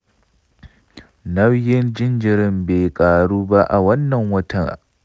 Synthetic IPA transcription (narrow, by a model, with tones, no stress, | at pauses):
nɐ˦wjɪ˦nd͡ʒɪ˦nd͡ʒɪ˨ɾɪ˦mbeː˨kʼaː˨ɽuː˦ba˦ʔa̰˨wɐ˦nːɐ˨ŋwɐ˦tɐ˨ŋ